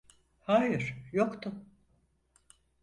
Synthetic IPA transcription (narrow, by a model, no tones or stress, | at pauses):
haːjɪɾ̥jokt̪ʰʊ